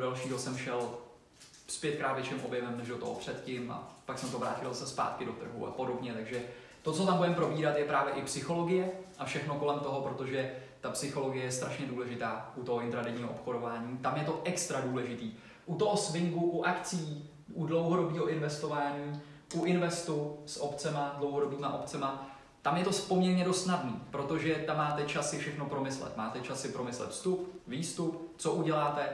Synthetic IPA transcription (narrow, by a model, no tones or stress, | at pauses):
dalʃiːɦo̞sɛmʃɛl | spjɛt̪kɾaːt̪vjɛt͡ʃɪmʔo̞bjɛmɛmnɛʒdo̞t̪oɦo̰pr̝̥ɛt̪cɪmʔa̰paksɛmt̪ovɾa̰ːcɪlzasɛspa̰ːt̪kɪdo̞t̪r̩ɦṵʔa̰po̞do̞bɲɛt̪aɡʒɛ | t̪o̞t͡sot̪ambudɛmpɾo̞biːɾat̪jɛpɾaːvjɛʔɪpsɪxo̞lo̞ɡɪjɛʔafʃɛxnoko̞lɛmt̪o̞ɦopɾo̞t̪o̞ʒɛt̪apsɪxo̞lo̞ɡɪjɛjɛst̪ɾaʃɲɛduːlɛʒɪt̪aːʔut̪o̞ɦoɪnt̪ɾadɛɲiːɦoʔopxodo̞vaːɲiːt̪amjɛt̪o̞ʔɛkst̪ɾaduːlɛʒɪt̪iː | ʔut̪oɦosvɪŋɡuʔuʔakt͡sijiː | ʔudlo̞wɦo̞do̞biːɦo̞ʔɪnvɛst̪o̞vaːɲiː | ʔuʔɪnvɛst̪usʔopt͡sɛmadlo̞wɦodo̞biːmaʔo̞pt͡sɛma | t̪amjɛt̪o̞spomɲɛɾɲɛdost̪nadniːpɾo̞t̪o̞ʒɛt̪amːaːt̪ɛt͡ʃasɪfʃɛxno̞pɾo̞mɪslɛ̰t̪maːt̪ɛt͡ʃasɪpɾo̞mɪslɛ̰t̪fst̪upviːst̪upt͡soʔuɟɛlaːt̪ɛ